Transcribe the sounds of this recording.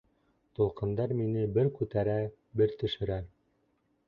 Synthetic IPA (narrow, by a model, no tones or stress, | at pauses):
t̪ulˠqɤ̆nd̪ɑɾminɘbɘɾkʉt̪æɾæ | bɘɾt̪ɵ̆ʃɘ̆ɾæɾ